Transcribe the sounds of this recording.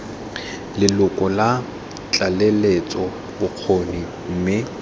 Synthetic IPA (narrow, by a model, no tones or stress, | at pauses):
lɪlʊkʼɔla | t͡ɬʼalɛlet͡sʼɔ | bʊq͡χʰoni | m̩ːmɪ